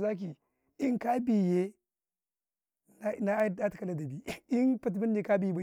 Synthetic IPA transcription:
za˦k̬i˨ | i˦ŋka˦bi˨je˦ | na˦na˦da˦ti˨ka˨la˦da˨bi˨i˦npa˨t̬mi˦nː˦i˨ka˦bi˨jba˨

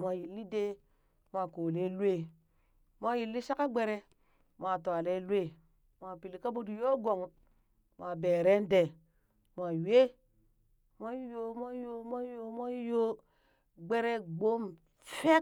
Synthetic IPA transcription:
mʷ˨a˨ji˨lːi˦de˦ | ma˨ko˨le˦lwe˦ | mʷa˦ji˨lːi˦ʃa˦ka˦ɡ͡be˦ɾe˦ | ma˨ta˨le˦lwe˦˨ | ma˨pi˨li˨ka˦bo˦di˨jo˦ɡo˨ŋ | ma˨be˨ɾe˦n˦de˨ | ma˨we˦ | ma˦jo˦ma˦jo˦mʷa˦jo˦ma˦jo˦ | ɡ͡be˦ɾe˦ɡ͡bo˦m | fe˦k

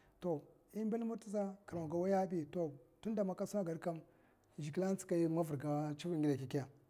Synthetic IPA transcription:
to˨ | i˦m˦be˦lmu˦ɾti˦za˦ka˨ɾa˨ɡa˨wa˦ja˦bi˦to˨tu˦n˦da˨ma˦ka˦su˦na˦ɡa˨ɾka˦m˨ | ʒi˨ki˦la˦n˦t͡si̥˦ka˨ji˦ma˦vu˨ɾɡa˦t͡ʃi˦vi˦ŋ˦ɡi˦la˨ki˨ki˦ja˨

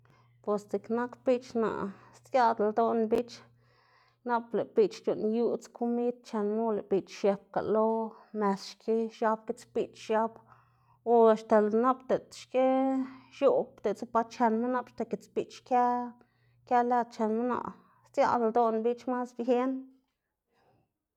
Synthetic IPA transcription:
pwe˧st͡se˨kna˦kbi˦t͡ʃna̰˨ʔst̪jʲa˦d̪ld̪o˦˧nbi˦t͡ʃ | na˦ple˨pi˧t͡ʃt͡ʃu˨nju˦t͡skʰu˦mi˦t̪̚t͡ʃe˧nmu˦le˨bi˨t͡ʃʃe˧p̚ka̰˨lo˦me˧sʃkʰi˦ʃa˧b̚ke˦t͡spi˧t͡ʃʃa˧b | o˧ʃt̪e˨lna˦bt̪e˨t̪ʃke˦ʃu˦˨bt̪e˨t͡sa˦pa˧t͡ʃe˧nma˦na˦˧pʃt̪e˧˨ke˨t͡spi˨t͡ʃka˦ | kʲa˦le˦d̪̚t͡ʃe˧nmu˦na̰˨ʔ | st͡sja̰˧d̪ld̪o˦nbi˦t͡ʃma˦sbe˦n

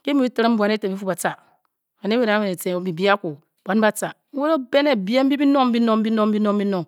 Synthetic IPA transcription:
ke˦mi˦i˦ti˦ɾi˦m̩˦bʷu˨a˨ne˦te˨bi˦fu˦ba˨t͡sa˨ | a˨ne˦e˨ɾa˨˦me˨e˨te˨bi˨bi˦a˦ku˨ | bʷa˨˦n˦ba˦t͡sa˨˦wo˦ɾo˦be˦ne˨bi˦e˦m̩˦bi˦bi˦no˦m̩˦bi˦no˦˨m̩˦bi˦no˦m˦bi˦no˦m˦bi˦no˨ŋ

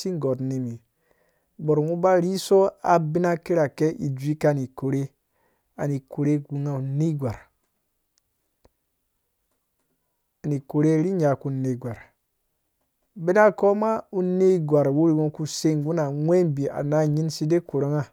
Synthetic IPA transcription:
si˦ŋɡo˨tne˨mi˨ | bo˨ɾmu˦ba˦ɾi˦so˦a˨bi˦na˦ki˦ɾa˨ke˦ʔi˨d͡ʒʷi˦ka˦˨ni˨ko˨ɾe˦ | a˨ni˨ko˨ɾe˦ɡu˨ŋa˨u˨ne˦ɡʷa˨ɾ | a˨ni˨ko˨ɾe˦ɾi˦ɲa˨ku˨nːe˨ɡʷa˨ɾ | be˦na˦ko˦ma˦u˦nːe˦˨ɡʷa˨ɾwu˦ɾi˨wo˦ku˨se˦ŋ˨ɡu˦na˨ŋʷe˦mbi˨a̰˨na˦ɲi˦nsi˦de˦ku˨ɾo˦ŋa˦

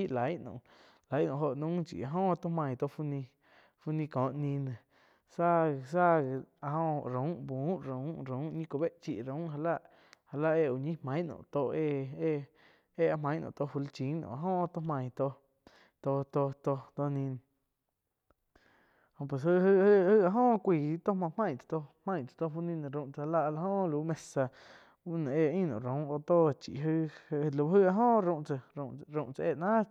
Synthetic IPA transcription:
i˦ʔla˨˦jʔnṵ̃˨ | la˨˦jʔnṵ̃˨ɦo˧˨ʔnũ˦t͡ʃḭ˨a˧ɦõː˦˧t̪o˦hmã˧˨t̪o˧fu˦nĩ˧ | fu˧nĩ˧kõ˨ʔnĩ˧nẽ˨ | sa˦˧˨sa˦˨a˧hõ˧ɾũ˨˦ʔbu˨˦ɾũ˨˦ɾũ˨˦ɲĩ˦kʷo˧˨be˦ʔt͡ʃḭ˧ʔɾũ˨˦ʔɦa˧la˦ʔ | ha˧la˦ʔe˧ʔu˨ɲĩ˦hmã˨˦j̃nṵ̃˧˨t̪o˧e˧e˦ | e˦a˧mã˨˦j̃nṵ̃˧˨t̪o˧fu˧lt͡ʃĩ˨˦nṵ̃˧˨a˧ɦõ˦˧t̪o˦mã˧˨t̪o˧ | t̪o˧t̪o˧t̪o˧t̪o˧nĩ˧n˨ | hõ˧˨p̬we˨s̬ɨ˦ɦɨ˧hɨ˦˧hɨ˦a˧ʔɦõː˦˧kʷiː˧˨˦t̪o˦mã˧mã˧j̃t͡sḁ˧t̪o˧hmã˧j̃t͡sḁ˨t̪o˧ɦu˧nĩ˦˧ñ˧˨ɾũ˧ʔt͡sa˧a˧la˧ʔla˧ɦõ˦˧luː˨˦mẽ˧sa˧ | u˦nã˨e˧ĩ˦˧nõ̰˨ɾõ˨˦ʔo˧t̪o˦˨t͡ʃḭ˨ʔɦɨ˦hʔlu˧˦ɦɨ˦˧a˧ɦõ˦˨ɾũ˧ʔt͡sə˧ɾũ˧˨ʔt͡sa˧eː˦˧ʔnãː˦

